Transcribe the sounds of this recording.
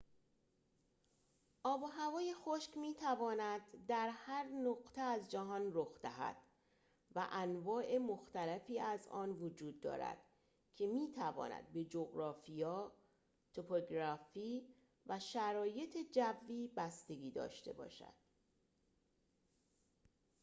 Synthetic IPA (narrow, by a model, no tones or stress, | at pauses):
ʔɒːbɒɦævɒːje̞xoʃcmiːt̪ʰævɒːnæd̪ːæɾhæɾnoɣt̪ʰeæzd͡ʒæɦɒːnroxd̪̥æɦæ̰d̪̥ | væ̰ʔænvɒːʔe̞moxt̪ælæfiːæzɒːnvod͡ʒuːd̪ːɒ̰ːɾæ̰d̪̥ | cʲʰe̞miːt̪ʰævɒ̰ːnæ̰d̪̚be̞d͡ʒoɡɾɒːfijɒː | t̪ʰopʰoɡɾɒfiː | væʃæɾɒːje̞t̪ʰe̞d͡ʒævːiːbæst̪e̞ɡiːd̪ɒ̰ːʃt̪e̞̰bɒ̰ːʃæ̰d̪̥̚